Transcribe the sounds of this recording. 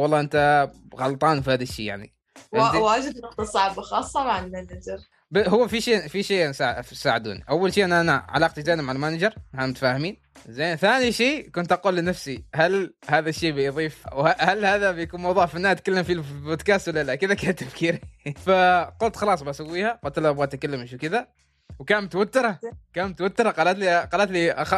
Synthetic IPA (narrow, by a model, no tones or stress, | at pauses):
wɑlˤːɑːʔɪnt̪aɣɑlt̪ˤɑːnfihaːðaʃːiːja̰ʕnḭ | waːd͡ʒɪd̪nʔanasˤɑʕbxɑːsˤːɑmaʕalmanad͡ʒɪɾˤ | baɦʊwːafiʃiːfiʃeːʔsaʕsaːʕɪd̪ṵːnḭʔawːalʃiːʔɪnːaʔanaʕa̰lɑːq̚t̪zaːnmaʕalmaːnad͡ʒɪɾˤhanmʊt̪ḁfaːhɪmiːn | zaːnθaːniʃiːkʊnt̪ʔaquːlːɪnafsihalhaːðaʃːeːbɪjðˤiːfwhahalhaːðabɪjakuːnmɑwðˤuːʕfanːaːt̪kalːɪmfiboːd̪kaːst̪walːalakɪd̪akaːnt̪ːafkiːɾifaqʊlt̪xɑlɑːsˤbaʔsawːiːhaqʊlt̪ːɪlʔabwaːt̪ːʔakalːɪmʃukɪd̪a | wkaːnmt̪wat̪ːɪɾˤɑkaːnmt̪awat̪ːɪɾˤɑqɑːlat̪liqɑːlat̪liʔax